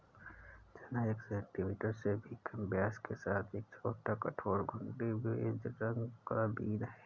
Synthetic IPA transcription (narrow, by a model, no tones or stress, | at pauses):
d͡ʒɐnaəksɛːk̚ʈɪʋɪʈəɾsebʱikʰɐmbjaːskesaːt̪ʰeːk̚t͡ʃʰoːʈakɐʈʰoːɾɡʱʊ̃ɳɖibʱed͡ʒɾɐ̃ŋɡkabiːnɦɛː